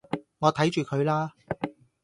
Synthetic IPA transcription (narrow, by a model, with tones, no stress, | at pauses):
ŋɔː˨˧t̪ʰɐ˨˥jt͡ʃyː˨kʰɵ˨˧ɥlaː˥